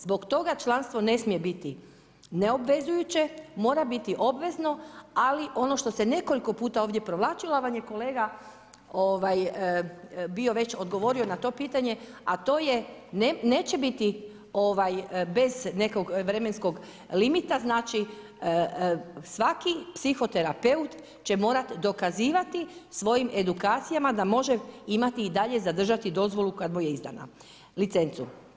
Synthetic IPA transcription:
zbo̞kt̪o̞ɡat͡ʃlˠanst̪ʋo̞ne̞smije̞bit̪i | neo̞bʋe̞zujut͡ɕe̞mo̞ːɾabit̪iʔo̞bʋe̞zno̞aliʔo̞no̞ʃt̪o̞se̞ne̞ko̞liko̞puːt̪ao̞ːʋd̪ʲje̞pɾoʋlˠaːt͡ʃilaʋaɲjeko̞leːɡa | oʋajəbio̞ʋe̞t͡ɕo̞d̪ɡo̞ʋo̞ɾio̞nat̪o̞piːt̪aɲe̞at̪o̞ːjeneneːt͡ɕebit̪i | o̞ʋajbe̞zne̞ko̞ɡʋɾe̞me̞nsko̞ɡ | limit̪aznaːt͡ʃi | sʋakipsixo̞t̪e̞ɾape̞ut̪ | t͡ɕe̞mo̞ːɾat̪d̪o̞kaziːʋat̪isʋo̞jimʔe̞d̪ukaːt̪sijamad̪amo̞ʒeimat̪iːd̪aʎe̞zad̪r̩ʒat̪id̪o̞zʋo̞lukad̪mojeizd̪a̰na̰ | lit̪se̞nt̪su

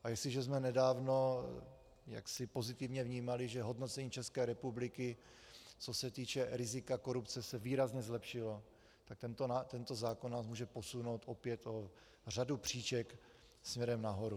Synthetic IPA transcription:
ʔajɛslɪʒɛzmɛnɛdaːvno̞ | ja̰ksɪpo̞zɪt̪ɪvɲɛvɲiːmalɪʒɛɦo̞dnot͡sɛɲiːt͡ʃɛskɛːɾɛpublɪkɪ | t͡so̞sɛt̪iːt͡ʃɛɾɪzɪkako̞ɾupt͡sɛsɛviːɾazɲɛzlɛpʃɪlo̞ | t̪ak̚t̪ɛnt̪oat̪ɛnt̪o̞zaːkonnaːsmuːʒɛpo̞suno̞wt̪ʔo̞pjɛt̪o | r̝adupr̝̥iːt͡ʃɛk | smɲɛɾɛmnaɦo̞ɾu

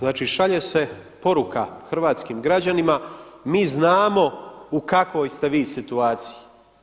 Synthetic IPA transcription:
znaːt͡ʃiːʃaʎese̞po̞ɾukʰaxrʋaːt̪skiːmɡɾad͡ʑanima | miːznaːmo̞ukakʋo̞jst̪e̞ʋiːsit̪uaːt̪siji

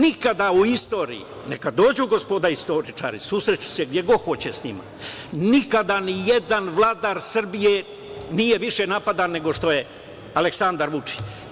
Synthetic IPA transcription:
nikad̪auist̪o̞ɾḭjḭ | nekad̪o̞ːd͡ʑuɡo̞spo̞d̪aist̪o̞ɾit͡ʃa̰ːɾḭsusɾet͡ɕu̥seɡd̪je̞ɡo̞xo̞t͡ɕesɲima̰ | nikad̪anijed̪anʋlˠaːd̪aɾsr̩bije | nijeʋiʃe̞napad̪anːe̞ɡo̞ʂt̪o̞je̞ | aleksand̪aɾʋut͡ʂi̥t͡ɕ

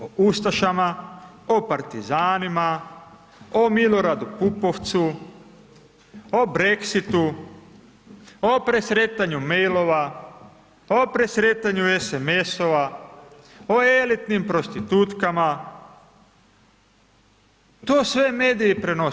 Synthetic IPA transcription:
oust̪aʃama | opaɾt̪izaːnima | omilo̞ɾad̪upupo̞ʋt̪su | obɾeksit̪u | opɾesɾet̪aɲumejlo̞ʋa | opɾesɾet̪aɲuesemesoʋa | oelit̪nimpɾo̞st̪it̪ut̪kama | t̪oːsʋe̞meːd̪ijepɾeno

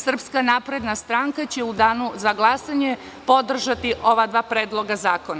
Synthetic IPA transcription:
sr̩pskanaːpɾe̞d̪nast̪ɾaːŋkat͡ɕe̞ud̪aːnuzaɡlˠasaɲe̞ | po̞d̪r̩ʒat̪iʔo̞ʋad̪ʋaːpɾeːd̪lˠo̞ɡazaːkona

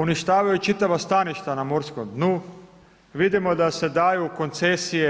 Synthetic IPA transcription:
uniʃt̪aːʋajut͡ʃit̪aʋast̪aniʃt̪anamoɾskomd̪nu | ʋid̪imo̞d̪ase̞d̪ajuko̞nt̪sesije

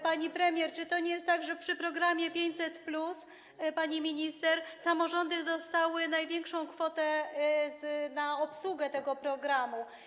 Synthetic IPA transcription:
paɲipɾɛmʲjɛɾt͡ʂɘt̪ɔɲɛjɛst̪t̪ːaɡʐɛpʂɘpɾɔɡɾamʲjɛpʲjeɲt͡ɕʲsɛt̪plus | paɲimʲiɲist̪ɛɾsamɔʐɔnd̪ɘd̪ɔst̪awɘnajvʲjɛŋkʂɔ̃w̃kfɔt̪ɛznaɔpswuɡɛt̪ɛɡɔpɾɔɡɾamu

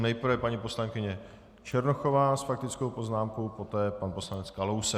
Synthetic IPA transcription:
nɛjpɾɾvɛpaɲipo̞slaŋkɪɲɛ | t͡ʃɛɾnoxo̞vaːsfak̚t̪ɪt͡sko̞wpo̞znaːmkowpo̞t̪ɛːpanpo̞slanɛt͡skalowsɛ

